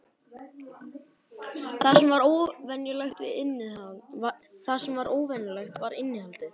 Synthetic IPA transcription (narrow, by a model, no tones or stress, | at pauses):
θḁsɛmvaɾowvɛnjalajxt̪vɪ̰ðɪnːɪðhaðθaðsɛmvaɾoːwvɛnjalaxt̪vaɾɪnːɪhalt̪ɪ